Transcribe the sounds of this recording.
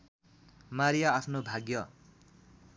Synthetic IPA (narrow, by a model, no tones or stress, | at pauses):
maɾijaːpʰnobʱaɡjʌ